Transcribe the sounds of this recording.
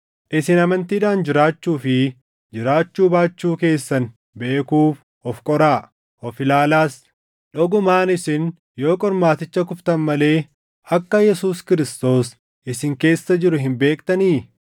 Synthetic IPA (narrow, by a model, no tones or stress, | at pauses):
ʔɪsɪnɐmɐnt̪iːᶑaːnd͡ʒɪɾaːt͡ʃːuːfɪ | d͡ʒɪɾaːt͡ʃːuːbaːt͡ʃːuːke̞ːsːɐn | be̞ːkuːf | ɔfkʼɔɾaː | ʔɔfɪlaːlaːs | ᶑɔɡʊmaːnɪsɪn | jo̞ːkʼɔɾmaːt̪ɪt͡ʃːɐkʊft̪ɐnmɐle̞ː | ɐkːɐjɛsuːskɪɾɪst̪o̞ːs | ʔɪsɪŋke̞ːsːɐd͡ʒɪɾʊɦɪmbe̞ːkʼt̪ɐniː